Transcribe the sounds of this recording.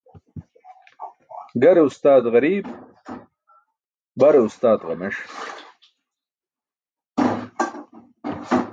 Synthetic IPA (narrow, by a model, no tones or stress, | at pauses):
ɡɐɾeust̪aːd̪ʁɐɾiːb | bɐɾeust̪aːd̪ʁɐmeʂ